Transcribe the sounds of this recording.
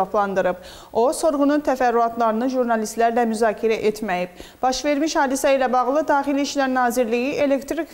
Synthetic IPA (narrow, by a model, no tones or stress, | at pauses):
ɑplˠɑnd̪ɯɾɯb | o̞so̞ɾʁununt̪ʰæfæɾːuɑt̪ʰlˠɑɾɯnɯʒuɾnɑlist̪læɾlæmyzɑːcʰiɾæʔet̪ʰmæjib̚b̥ɑʃve̞ɾmiʃhɑːd̪isæilæbɑɣlˠɯd̪ɑːχiliːʃlæɾnɑːziɾlijiʔelekt̪ɾik